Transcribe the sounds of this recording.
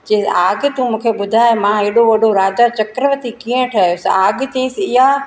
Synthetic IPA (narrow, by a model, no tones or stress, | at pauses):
d͡ʑeːaːɡt̪umũːkʰeɓʊd̪ʱaːɪmãɦeːɽoʋɐɖʱoɾaːd̪at͡ɕɐkɾəʋət̪ikiːə̃ʈʰɐɦjosaːɡt̪ĩɪ̃sɪɦa